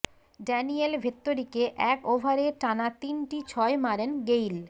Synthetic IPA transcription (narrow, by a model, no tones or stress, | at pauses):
ɖɛnielbʱet̪ːoɾikeʔɛkobʱaɾeʈanat̪inʈit͡ɕʰɔemaɾenɡejl